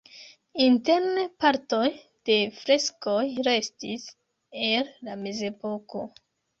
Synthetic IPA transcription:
inte̞ɾnepaɾto̞j | d̥e̞fɾe̞skojɾe̞stis | elːame̞ze̞po̞ko̞̰

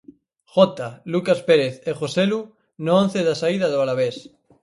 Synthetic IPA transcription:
χot̪alukaspeɾeθeχoselu | noõn̟θeðasaiðaðoalaβ̞es

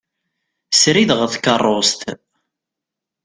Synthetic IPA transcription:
sɾiðʁəθkərˤːost̪

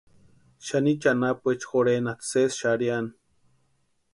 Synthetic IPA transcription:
ʃanit͡ʃanapuet͡ʃxoɾenat̪sesʃaɾjan

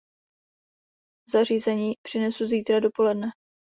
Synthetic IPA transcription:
zar̝iːzɛɲiːpr̝̥ɪnɛsuziːt̪ɾado̞po̞lɛdnɛ

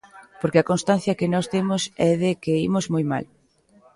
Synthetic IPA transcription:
poɾkeakonst̪ãn̟θjɐkenɔst̪emʊsɛðekeimozmojma̰l

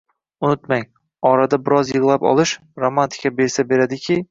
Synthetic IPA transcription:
ʊnɪt̪maŋ | ɒɾad̪abɪɾɒzjɨʁlˠapɒ̰lˠɪʃ | ɾomant̪ʰɪ̥kʲʰabe̞ɾsabe̞ɾad̪ɪkʲʰɪ

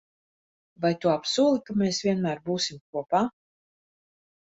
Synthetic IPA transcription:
vajt̪uɔapsuːlˠikameːsvʲiɛnmæːɾbuːsimk̚uɔpaː

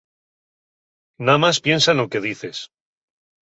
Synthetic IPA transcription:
namaspje̞nsanloke̞ð̞iθe̞s

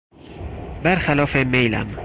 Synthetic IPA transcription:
bæɾxælɒːfemejlæ̰m

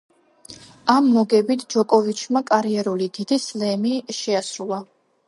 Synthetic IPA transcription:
amːɔɡɛbit̪ʰd͡ʒɔkʼɔvit͡ʃʰmakʼaɾiɛɾulid̪id̪islɛmiʃɛasɾulˠa

